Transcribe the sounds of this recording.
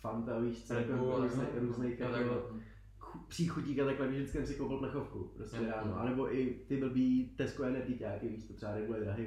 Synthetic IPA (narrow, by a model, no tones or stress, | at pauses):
fant̪aviːʃt͡sɛlkoɾuːznɛɾuːznɛjxkoo | upr̝̥iːxuɟɲiːkat̪aklɛbɪɣʒdɪt͡skɪsɛmsɪkowpɪltnaxofkṵpɾostɛɾaːnoʔa̰nɛboʔɪt̪ɪbl̩biːt̪ɛskoɛnɛt̪icaːkɪviːʃt̪ot̪r̥ɛbaɾɛbulɛd̪ɾaɦɪ